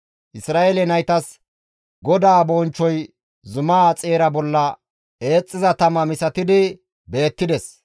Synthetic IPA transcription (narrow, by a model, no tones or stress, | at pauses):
ʔɪsɾaːelɛnɐjt̪ɐs | ɡɔd̪aːbɔːnt͡ʃːɔj | zʊmaːt͡sʼeːɾɐbɔlːɐ | e̞ːt͡sʼːɪzɐt̪ɐmɐmɪsɐt̪ɪd̪ɪ | be̞ːt̪ːɪd̪ɛs